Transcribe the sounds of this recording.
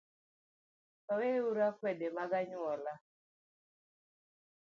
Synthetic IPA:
kaweuɾakwɛdemaɡaɲwɔla

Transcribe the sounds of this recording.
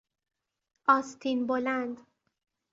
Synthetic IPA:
ʔɒːst̪ʰinbolænd̪

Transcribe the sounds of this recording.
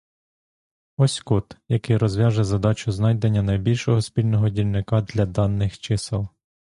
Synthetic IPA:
ɔsʲkut̪jɐkɪjɾɔzʋʲjɑʒɛzɐd̪ɑt͡ʃʊznɑjd̪enʲːɐnɐjbʲilʲʃɔɦɔspʲilʲnɔɦɔdʲilʲnɪkɑd̪lʲɐd̪ɑnːɪxt͡ʃɪsɪlˠ

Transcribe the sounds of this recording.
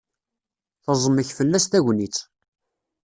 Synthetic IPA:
θəzˤəmːəçfəlːæst̪æʝnit͡sː

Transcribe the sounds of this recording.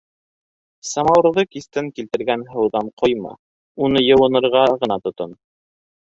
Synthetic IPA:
sɑmɑwɾðɤkiθt̪ɘŋkilt̪ɘ̆ɾɡænɦɤ̆wðɑnqʰojmɑ̰ | unɤjɤ̆wɤ̆nɤ̆ɾʁɑʁɤ̆nɑt̪ŏt̪ɤn

